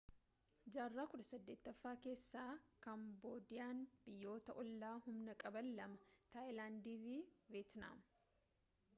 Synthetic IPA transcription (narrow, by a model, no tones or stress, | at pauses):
d͡ʒaːrːaːkʊᶑɐsɐd̪ːe̞ːt̪ːɐfːaːke̞ːsːaːkɐmbo̞ːd̪ɪjaːnb̥ɪjːo̞ːt̪ɐʔɔlːaːhʊmnɐkʼɐbɐlːɐmɐt̪ajlaːnd̪iːfiveːt̪na̰ːm